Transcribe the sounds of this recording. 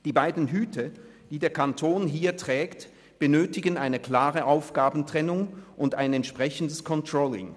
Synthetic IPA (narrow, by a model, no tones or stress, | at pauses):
d̥iːbaɪdn̩ɦyːtʰə | d̥iːdeːɐkʰantʰoːnɦiːɐtʁ̥ɛːkt | b̥ənøːtɪɡənaɪnəkʰl̥aːʁəʔaʊfɡ̥aːbn̩tʁ̥ɛnʊŋʔʊndaɪnɛntʃpʁ̥ɛçən̩dəskʰɔntʁ̥ɔːlɪ̰ŋ